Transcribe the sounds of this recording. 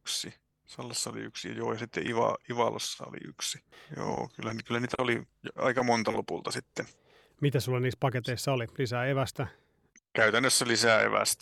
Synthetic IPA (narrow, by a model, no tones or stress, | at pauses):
yksi | sɑlːɑsːɑolḭyksḭjoːjɑsit̪ːḛʔiʋɑ̰iʋɑlʔosːɑo̰lḭʔyksijo̰ːkylːænkylːæniːt̪æoli | jɑ̰ikɑmont̪ɑlopult̪ɑsit̪ːen | mit̪æsulːɑniːspɑket̪eisːɑolilisæeʋæst̪æ | kæyt̪ænːøsːælisæḛʋæ̰st̪æ